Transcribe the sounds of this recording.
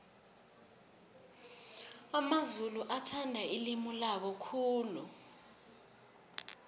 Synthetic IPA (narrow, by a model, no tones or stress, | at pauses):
amazuluʔatʰandʱailimulaɓɔkʰuːlu